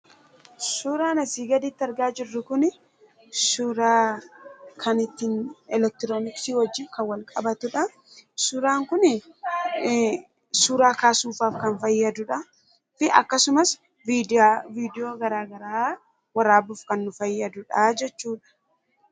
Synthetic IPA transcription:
suːɾaːnɐsiːɡɐd̪ɪt̪ːɪɐɾɡaːd͡ʒɪrːʊkʊnɪ | suɾaː | kʰɐnɪt̪ːɪnɛlɛk̚t̪ɪɾoːnɪksiːwɔd͡ʒːɪkɐwɐlkʼɐbɐt̪ʊᶑɐ | sʊɾaːŋkʊnɪ | suːɾaːkaːsuːfaːfkɐnfɐjːɐd̪ʊᶑɐ | fɪʔɐkːɐsʊmɐs | idviːd̪ɪoːɡɐɾaːɡɐɾaː | wɐɾaːbʊfkɐnːʊfɐjːɐd̪ʊᶑɐd͡ʒɛt͡ʃːuːᶑɐ̥

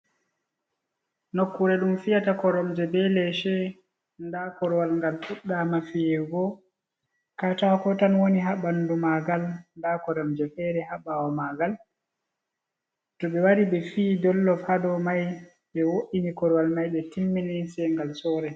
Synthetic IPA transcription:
nokːuɾɛɗumfijatakɔɾɔmd͡ʒɛbɛlɛʃɛ | ndakɔɾɔwalŋɡalfuɗːamafijɛɡɔ | katakɔtanwoniɦaɓanːdumaɡalndakɔɾɔmd͡ʒɛfɛɾɛhaɓawɔmaɡal | tɔɓɛwaɾiɓɛfiːdɔlːɔfhadɔmaj | ɓɛwoʔinikɔɾɔwalmajɓɛtimːinisɛŋɡalsɔːɾɛ

